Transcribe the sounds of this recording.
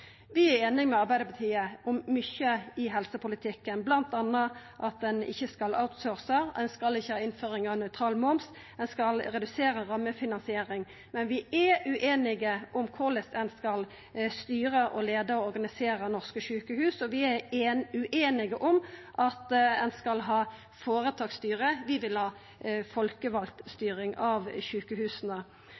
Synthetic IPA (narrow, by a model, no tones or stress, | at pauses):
ʋɪæɾeːnɪŋmɛɑʁbæɪd̪əpʰɑt̪ʰiːəʊmːʏçəɪɦɛlsəpʊlɪt̪ʰɪkːənblɑnt̪ɑnːəʔɑt̪̚d̪ɛnɪ̰çːəskɑla̰ʊt̪soːʁsəɛnskɑlɪçːəhɑːɪnføːʁɪŋɑnœʏt̪ʰʁɑːlmɔms | ɛnskɑlɾɛd̪ʉseːɾəɾɑmːəfɪnɑnsɪeːɾɪŋ | mɛnʋɪɛʉʔeːnɪɡəʔʊmkʰʊʁləsɛnskɑl | st̪yːɾəʔɔleːd̪əɔɔɾɡɑnɪseːɾənɔʁskəʃʉːkəhʉːsɔʋɪæʉʔeːnɪɡəʔʊmʔɑt̪ɛnskɑlɦɑː | foːʁət̪ʰɑːɡst̪yːɾəʋɪʋɪlhɑː | fɔlkəʋɑlt̪st̪yːʁɪŋɑʋʃʉːkəhʉːsənə